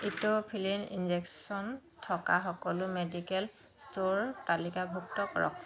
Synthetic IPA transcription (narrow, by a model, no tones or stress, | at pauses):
itopʰilinḭnzeksɔntʰɔkaxɔkɔlʊmedikɛl | stoɹtalikabʱuk̚tɔkɔɹɔ̰k̚